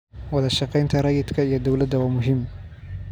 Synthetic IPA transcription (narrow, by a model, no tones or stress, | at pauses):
wɑðɐʃɑqɛjnt̪ʰɐɾɑjɪd̪kʰɐijɔd̪ɔwlɐd̪ːɐwaːmʊɦɪm